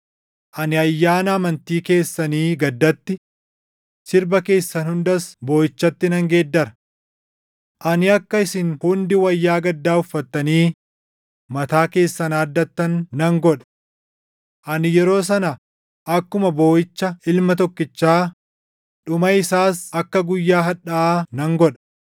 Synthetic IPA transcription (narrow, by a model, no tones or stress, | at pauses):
ʔɐnɪɐjːaːnɐɐmɐnt̪iːke̞ːsːɐniːɡɐd̪ːɐt̪ːɪ | sɪɾbɐke̞ːsːɐnhʊnd̪ɐsbo̞ːjɪt͡ʃːɐt̪ːɪnɐŋɡe̞ːd̪ːɐɾɐ | ʔɐnɪɐkːɐɪsɪnhʊnd̪ɪwɐjːaːɡɐd̪ːaːʊfːɐt̪ːɐniː | mɐt̪aːke̞ːsːɐnaːd̪ːɐt̪ːɐnːɐŋɡɔᶑɐ̥ | ʔɐnɪjɛɾo̞ːs̬ɐnɐ | ʔɐkːʊmɐbo̞ːɪt͡ʃːɐɪlmɐt̪ɔkːɪt͡ʃːaː | ᶑʊmɐɪsaːsɐkːɐɡʊjːaːɦɐᶑɐaːnɐŋɡɔᶑɐ̥